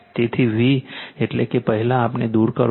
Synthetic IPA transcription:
t̪eːt̪ʰibʱieʈlekepɛɦɪlaːpned̪uːɾkə̰ɾ

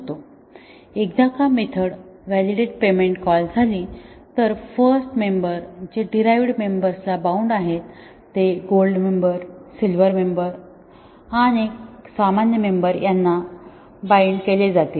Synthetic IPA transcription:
t̪o | ek̚d̪akamet̪ʰəɽʋæliɽeʈpemeɳʈkɔld͡zʱali | t̪əɾfəɾsʈmembəɾd͡ʑeɖiɾajʋɽmembəɾslabauɳɖaɦet̪ː | eɡolɖmembəɾsilʋəɾmembəɾ | aɽ̃isamanjəmembəɾjanːa | baeɳɖkeled͡zat̪i

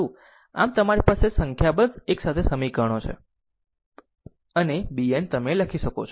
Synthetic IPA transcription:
ũ | a̰mt̪əmaɾipasesəŋkʰjabənd͡zeksat̪ʰesəmikəɳ̃ot͡ʃʰḛ | ənebient̪əmeləkʰiʃəkot͡ʃʰ

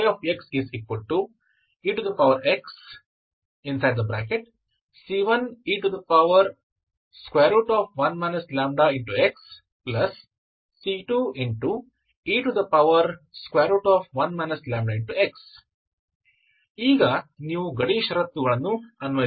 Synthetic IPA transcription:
ɾɔːfeksizekʋɐlʈːu | iːʈud̪ɐpɐwʋɐɾeks | ĩnsajɖ̚d̪ɐbɾæːkeʈ̚ | siːʋɐniːʈud̪ɐpɐʋɐɾ | skweːɾuʈɔːfʋɐ̃nmɛnɐslæːmɖaiɳʈueks | plɐsː | iːʈuiɳʈu | iːʈud̪ɐpɐʋɐɾskweːɾɐʈɔːfʋɐnmɛnɐslæ̃ːmɖaɪ̃ɳʈueks | iːɡɐniːʋuɡɐɽiʃɐɾɐt̪ːuɡɐɭɐnːuɐnʋɐ

